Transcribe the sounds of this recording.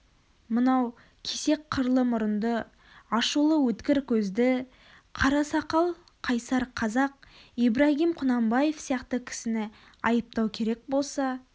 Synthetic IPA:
mənɑw | kʲʰese̞k̚qʰːəɾlˠəmʊɾənd̪ə | ɑʃulˠəwɵt̪kʲɪɾkʲʰɵzd̪ɪ | qʰɑɾɑsɑqɑlˠ | qʰɑjsɑɾqʰɑzɑq̚ibɾaɦimqʰʊnɑmbɑje̞fsijɑqt̪əkʲʰɪ̥sɪnɪ | ɑjəp̚t̪ɑwkʲʰe̞ɾe̞k̚bo̞lˠsɑ

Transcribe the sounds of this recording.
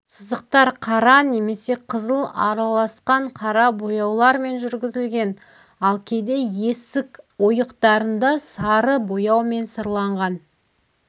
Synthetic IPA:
səzəq̚t̪ɑɾqʰɑɾɑne̞me̞se̞qʰəzəlˠɑ̰ɾɑlˠɑsqɑɴqʰɑɾɑbo̞jɑwlˠɑɾme̞nʒʏɾɡʲɪzɪlɡʲe̞n | ɑlˠkʲʰe̞d̪e̞je̞sɪko̞jəqt̪ɑɾənd̪ɑsɑɾəbo̞jɑwme̞nsəɾlˠɑɴʁɑn

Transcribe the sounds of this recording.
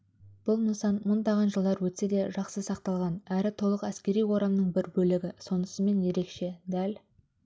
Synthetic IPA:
b̥ʊlˠməsɑnmʊnd̪ɑʁɑnʒəlˠd̪ɑɾwɵt̪se̞d̪e̞ʒɑqsəsɑq̚t̪ɑlˠʁɑnæɾɪt̪ʰo̞lˠəqæskʲe̞ɾijwo̞ɾɑmnəɴbɪɾbɵlɪɡʲɪso̞nəsəme̞nje̞ɾe̞kʃe̞d̪æl

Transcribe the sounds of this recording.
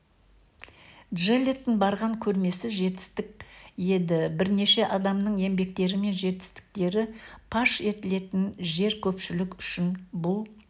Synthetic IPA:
ʒelʲet̪ːɪnbɑɾʁɑŋkʲʰɵɾme̞sɪʒe̞t̪ɪ̥st̪ɪk̚je̞d̪ɪbɪɾne̞ʃe̞ʔɑd̪ɑmnəɴe̞mbe̞k̚t̪e̞ɾɪme̞nʒe̞t̪ɪ̥st̪ɪ̥k̚t̪e̞ɾɪpʰɑʃe̞t̪ɪle̞t̪ɪnʒe̞ɾkʲʰɵpʃɪlɪkʏʃɪnbʊlˠ

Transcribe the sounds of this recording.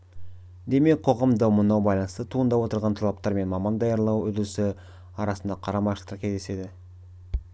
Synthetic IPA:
d̪e̞me̞k̚qʰo̞ʁɑmd̪ɑwmʊnɑwbɑjlˠɑnəst̪ət̪ʰuənd̪ɑwo̞t̪əɾʁɑnt̪ʰɑlˠɑp̚t̪ɑɾme̞nmɑmɑnd̪ɑjɑɾlˠɑwɵd̪ɪɾɪsɪ | ɑɾɑsənd̪ɑqʰɑɾɑmɑʃlˠt̪əkʲʰezd̪ese̞d̪ɪ

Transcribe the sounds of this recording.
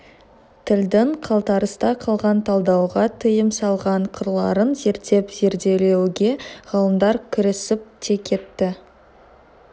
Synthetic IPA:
t̪ʰɪld̪ɪŋqʰɑlˠt̪ɑɾəst̪ɑqʰɑlˠʁɑnt̪ʰɑlˠd̪ɑwʁɑt̪ʰəjəmsɑlˠʁɑɴqʰʊɾlˠɑ̰ɾənze̞ɾt̪ːe̞pz̥e̞ɾd̪e̞le̞wɡʲe̞ʁ̥ɑlˠəmd̪ɑɾkʲʰʏɾɪsɪp̚t̪ʰe̞kʲʰe̞t̪ːɪ

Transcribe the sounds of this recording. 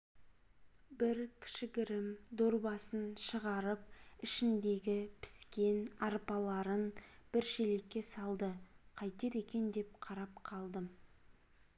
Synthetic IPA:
bɪɾkʲʰɪ̥ʃɪɡʲɪɾɪmd̪oɾbɑsənʃəʁɑɾəp̚ɪʃɪnd̪e̞ɡʲɪpʰɪ̥skʲe̞nɑɾpɑlˠɑɾənb̥ɪɾʃele̞kʲːe̞sɑlˠd̪əqʰɑjt̪e̞ɾe̞kʲe̞nd̪e̞p̚qʰɑɾɑp̚qʰɑlˠd̪əm

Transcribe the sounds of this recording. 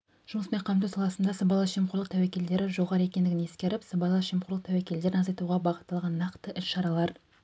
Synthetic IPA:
ʒ̥ʊməspe̞ɴqʰɑd̪uwsɑlˠɑsənd̪ɑsəbɑlˠɑʃiemqʊɾlˠəqt̪ʰæwækʲe̞ld̪e̞ɾɪʒo̞ʁɑɾəekʲend̪ɪɡʲɪne̞skʲe̞ɾɪpsəbɑlˠɑʃimquʊɾlˠəq̚t̪ʰæwækʲe̞ld̪e̞ɾɪnɑzɑjt̪uʁɑbɑʁət̪ːɑlˠʁɑnːɑqt̪əʔɪʃʃɑɾɑlˠɑɾ

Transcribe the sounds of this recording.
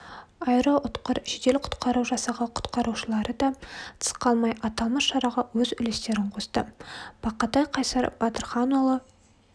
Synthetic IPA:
ɑjɾəʔʊt̪qəɾʒed̪e̞lɪqʰʊ̥t̪qɑɾuwʒɑsɑʁɑqʰʊ̥t̪qɑɾuʃəlˠɑɾəd̪ɑt̪ʰə̥sqɑlˠmɑjɑt̪ɑlˠməsʃɑɾɑʁɑwɵzʏlest̪e̞ɾɪɴqʰo̞st̪əb̥ɑqɑt̪ɑjqʰɑjsɑɾb̥ɑt̪əɾχɑnolˠə

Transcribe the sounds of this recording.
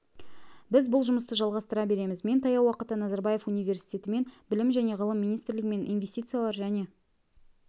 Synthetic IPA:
bɪzbʊlˠʒʊməst̪əʒɑlˠʁɑst̪əɾɑbe̞ɾe̞mɪzme̞nt̪ʰɑjɑwɑqət̪ənɑzɑɾbɑje̞funijvʲe̞ɾsi̥tʲe̞t̪ɪme̞nbɪlɪmʒæne̞ʁəlˠəmːinijst̪ɾlɪɡʲɪme̞nʔijnvʲe̞st̪ijt̪sɨjalˠɑɾʒæne̞

